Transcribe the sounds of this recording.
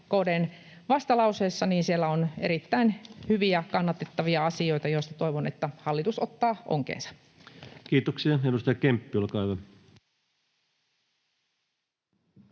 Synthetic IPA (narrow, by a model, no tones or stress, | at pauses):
koːdeːn | ʋɑst̪ɑlɑuseːsːɑniːnsielːæoneɾit̪ːæinhyʋiækɑnːɑt̪et̪ːɑʋiɑɑsio̞jt̪ɑjoist̪ɑt̪o̞iʋonet̪ːæhɑlːit̪usot̪ːɑːʔo̰ŋkḛːnsɑ̥ | kiːt̪oksiɑedust̪ɑjɑkempːiolkɑiʋɑ